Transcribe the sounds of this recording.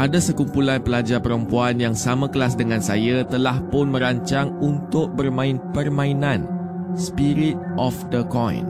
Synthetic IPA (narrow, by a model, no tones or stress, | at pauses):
ʔadasəkumpulanpəlad͡ʒapəɾəmpuanjaŋsamãkəlasdəŋãnsajat̪əlahpʊnmə̃ɾaɲt͡ʃaŋunt̪ʊk̚bərmãɪnpərmãinãn | spiɾit̪̚ʔɔfdəkɔ̰̃j̰n